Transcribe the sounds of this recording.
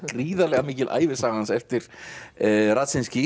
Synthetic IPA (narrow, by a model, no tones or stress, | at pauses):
riːðalɛɣamiːcɪlʔa̰ːjvɪsaːɣaansɛft̪ɪɾ̥ | rat̪sɪnscɪ